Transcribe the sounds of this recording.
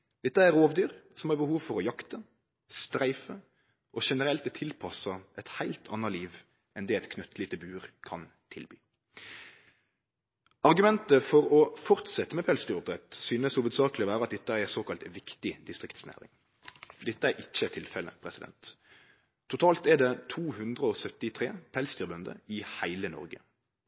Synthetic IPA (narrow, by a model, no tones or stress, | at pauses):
d̪̥ɛt̪ːəæɾoːʋd̪yːɾsɔmhɑːbəhuːʋfɔɾɔjɑkt̪ə | st̪ɾæɪfə | ʔɔʃɛnəɾɛlt̪̚ɛt̪ʰɪlpʰɑsɑʔɛt̪hæɪlt̪ʰɑ̰nːəɾliːʋ | ɛnd̪ɛɛt̪kʰnʉt̪ʰlɪt̪ʰɪbʉːʁkʰɑn | t̪ʰɪlby̰ː | ɑʁɡʉmɛnt̪əfɔɾɔfɔʁt̪sɛt̪ːəmɛpʰɛlsd̪yːʊb̚d̪ʁɛt̪syːnəsuːʋəd̪sɑːklɪɔʋæːɾʁɑt̪̚d̪ɛt̪ːəæɾɛsoːkɑlt̪ʋɪkt̪ɪd̪ɪst̪ʁɪkt̪snæ̰ːɾɪ̰ŋ | d̪ɛt̪ːəæɾʔɪçːət̪ʰɪlfɛlə̰pʰʁɛsɪd̪ɛ̰nt̪ʰː | ʊt̪ʰɑːlt̪ɛd̪ɛt̪ʰuːhʉnd̪ʁəɔsœt̪ɪt̪ʰʁeːpʰɛlst̪yːʁbœnd̪ə̰ɪhæɪlənɔ̰ɾɡə̰